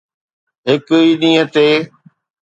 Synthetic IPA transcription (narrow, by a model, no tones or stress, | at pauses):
ɦɪkiːɗĩːət̪eː